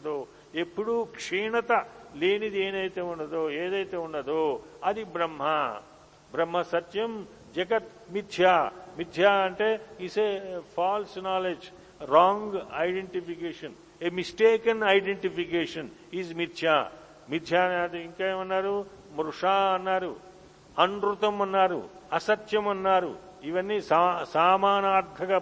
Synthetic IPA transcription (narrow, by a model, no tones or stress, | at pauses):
d̪oː | epːuɽukʂiːɳɐt̪ɐleːnid̪ieːnɐjt̪eːunːɐd̪oːeːd̪ɐjt̪eːunːɐd̪oːɐd̪ibɾɐmɦɐ | bɾɐmːɐsɐt̪jɐm | d͡ʒɐɡɐt̪ | mid̪ʱjaːmid̪ʱjaːɐɳʈeːisepʰaːlsnaːled͡ʒ | ɾaːŋɡɐjɖeɳʈipikeːʂɐn | emisʈeːkɐnɐjɖeɳʈipikeːʂɐniːzmit̪ʃjaː | mid̪ʱjaːiŋkaeːmɐnːaːɾu | mɾuʂaːɐnːaːɾṵ | ɐɳɖɾut̪ɐmɐnːaːɾṵɐsɐt̪jɐmɐnːaːɾṵ | iʋɐnːisasaːmaːnaːɾd̪ʱɐɡa